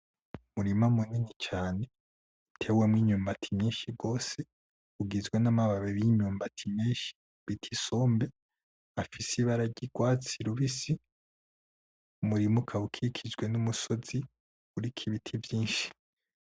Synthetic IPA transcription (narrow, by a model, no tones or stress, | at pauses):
umuɾimamuninit͡ʃaːne̞ | itʰe̞wemŋiːɲuːmbatʰi̥mɲiːnʃiɡo̞ːse | uɡizɡwe̞namaβaβeβiɲuːmbatʰimɲiːʃi̥ | βitʰi̥so̞ːmbe̞ | afisiβaɾaɟiɡ̥waːt͡siɾuβisi | umuɾimukʰaukʰikʰid͡ʒɡwe̞numuso̞z̥i | uɾikʰiβitʰivjiːnʃi̥